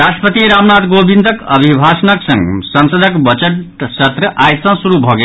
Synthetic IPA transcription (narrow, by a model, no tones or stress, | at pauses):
ɾasʈəpət̪iɾamnat̪ɡobʱind̪ʱəkʌbʱibʱasənʌksʌ̃ŋɡsʌnsəd̪ʱəkbʌt͡ʃəʈsət̪ɾəʔaj̪sãsuɾubʱʌɡe